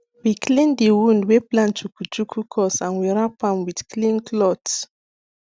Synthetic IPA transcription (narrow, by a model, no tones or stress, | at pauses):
wikʰlĩndiwũndweplãntʰːukutukʰukʰɔsãnwiɹapãmwid̥kʰlĩnkʰlɔts